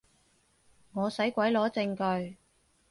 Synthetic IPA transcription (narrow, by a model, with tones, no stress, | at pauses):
ŋɔː˨˧sɐ˨˥jkʷɐ˨˥jlɔː˨˥t͡sɪ˧ŋkɵ˧ɥ